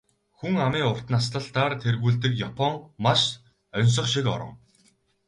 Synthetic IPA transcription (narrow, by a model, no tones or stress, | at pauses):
xuŋamiːʊr̥t̪nast̪ə̆ɮt̪aːrt̪ʰerɣuːɮt̪ɘ̆kjapʰɔŋmaʃ | œns̬ɞ̆χʃikɔ̰ɾɞ̰̆ŋ